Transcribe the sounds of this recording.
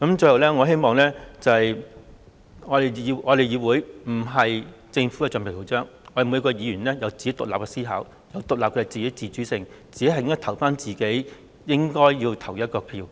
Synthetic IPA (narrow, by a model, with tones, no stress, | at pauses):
kɐ˨˥mt͡ʃɵ˧hwlɛː˥ŋɔː˨˧ɦe˥jmɔː˨ŋlɛː˥t͡sɐ˨hɐ˨j | ŋɔː˨˧de˨jwŋɔː˨˧d̪e˨jiː˨˧wuː˨˧jm̩˨˩ɦɐ˨j | t͡sɪ˧ŋfu˨˥kɛː˧t͡ʃœ˨npʰe˨˩t̪ʰo˨˧˩t͡sœː˥ŋɔ˧de˨˩mː˨˧kɔː˧jiː˨˧jyː˨˩nlɛː˥jɐ˨˧wt͡si˨ke˨˥jt̪ʊ˨k̚aː˨p̚kɛː˧siː˥ɦa̰ː˨˥w | jɐ˨˧wt̪ʊ˨k̚laː˨p̚kɛː˧t͡siː˨ke˨˥jt͡siː˨˩t͡ʃy˨˥sɪ˨ŋt͡siː˨e˥hɐ˨jɪ˥ŋ˥t̪ʰwfaː˥nt͡siː˨ke˨˥j | jɪ˥ŋkɔː˥jjiː˧wt̪ʰɐ˨˩wjɐ˥t̚kɔː˧pʰiː˧w